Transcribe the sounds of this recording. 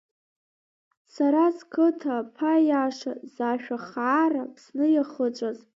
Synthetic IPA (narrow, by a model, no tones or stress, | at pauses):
saɾazkʰɨtʰapʰajaʂazaʃᶣaχaːrapʰsnɨjaχət͡ʃʷʼaz